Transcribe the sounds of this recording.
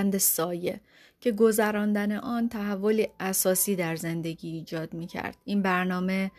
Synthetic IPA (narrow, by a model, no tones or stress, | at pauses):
nd̪esɒːje̞̰ | cʰe̞ɡo̞zæɾɒːnd̪æne̞ʔɒːnt̪ʰæɦævːo̞liːʔæsɒːsiːd̪æɾze̞nd̪e̞ɟiːd͡ʒɒːd̪miːcʰæ̰ɾd̪̥̚iːnbæɾnɒːme̞